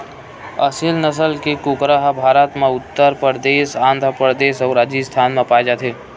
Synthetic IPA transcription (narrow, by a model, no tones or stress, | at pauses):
əsɪlnəs̬əlkekʊkɾaɦbʱaːɾət̪mãʊt̪ːəɾpɾd̪eːʃãːnd̪ʱɾəpɾəd̪eːʃɔɾaːd͡ʒist̪ʰaːnmẽpaːed͡ʒaːt̪ʰeː